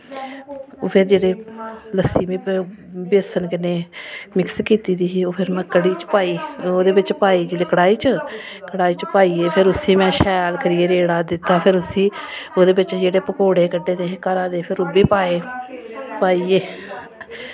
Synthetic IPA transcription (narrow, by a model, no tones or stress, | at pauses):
o̰ːpʰɪɾd͡ʒeːɽeːləsiːmĩːbeːsənkɪneːmɪkskiːt̪iːd̪iːiːoːpʰɪɾmɛ̃ːkəɽiːt͡ʃpaːiːoːd̪eːbɪt͡ʃpaːiːd͡ʒeɽeːkəɽaːiːt͡ʃə | kəɽaːiːt͡ʃpaːiːeːpʰɪɾʊsĩːmɛ̃ːʃɛːjaːlkəɾijeːɾeːɽaːd̪ɪt̪ːaːpʰɪɾʊsĩːoːd̪eːbɪt͡ʃd͡ʒeːɽeːpəkoːɽeːkəɖːeːt̪eːkəɾãːd̪eːpʰɪɾʊbiːpaːeː | paːiːeː